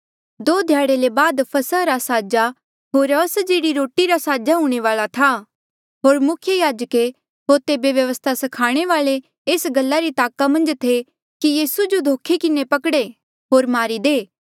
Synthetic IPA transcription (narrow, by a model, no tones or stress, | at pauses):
d̪oːd̪ʱjaːɽelebaːd̪pʰɐsəɾasaːd͡ʒa | ɦoːɾəsəd͡ʒiːɾiɾoːʈːiɾasaːd͡ʒaɦũːɽ̃eʋaːlat̪ʰa | ɦoːɾmʊkʰjəjaːd͡ʒəke | ɦoːɾt̪ebjɐʋjɐʋəst̪ʰasɐkʰaːɽ̃eʋaːle | eːsɡɐlːaɾit̪aːkamɐ̃nd͡ʒt̪ʰe | kijiːsud͡ʒod̪ʱoːkʰekɪnepɐkɽe | ɦoːɾmaːɾid̪eː